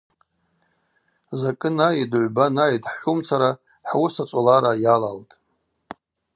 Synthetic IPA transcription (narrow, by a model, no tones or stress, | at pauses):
zakʼɨnajidʕʷbanajdħħʷumt͡sʰaɾa | ħawʊsat͡sʷʼolaɾajalaltʼ